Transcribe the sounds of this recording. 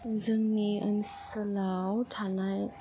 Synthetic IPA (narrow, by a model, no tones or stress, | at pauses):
zəŋniʔə̰nsəlawt̪ʰanaj